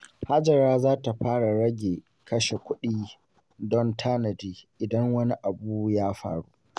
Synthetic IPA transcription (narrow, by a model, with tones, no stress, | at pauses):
ha˦d͡ʒɐ˨ɾaː˦zaː˦ta˨ɸaː˦ɽa˨ɽɐ˦ɡʲeː˨ | kʰɐ˦ʃe˨kʷʊ˦ɗiː˦ | dɔ˦ntʰaː˦nɐ˨diː˨ʔɪ˨dɐ˦ŋwɐ˦ni˦ʔa˨buː˦jaː˦ɸa̰ː˨ɽṵ˦ʔ